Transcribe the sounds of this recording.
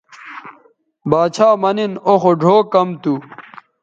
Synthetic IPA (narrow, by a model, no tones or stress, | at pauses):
baːt͡ɕʰaːmɐninoxoɖʱoːkɐmt̪u